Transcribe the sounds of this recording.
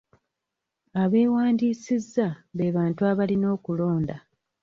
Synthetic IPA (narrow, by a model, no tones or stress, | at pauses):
aβe̞ːwaːndiːsizːaβeːβaːntuaβalino̞ːkulo̞ːnda